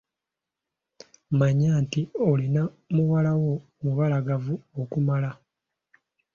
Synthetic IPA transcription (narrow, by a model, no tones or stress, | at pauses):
maɲaːntiolina | muwalawo | muβalaɡavuokumala